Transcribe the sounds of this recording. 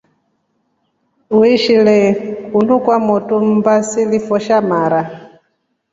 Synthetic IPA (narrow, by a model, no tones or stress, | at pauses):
uiʃilɛkunukwamɔtum̩basilifɔʃamaɾa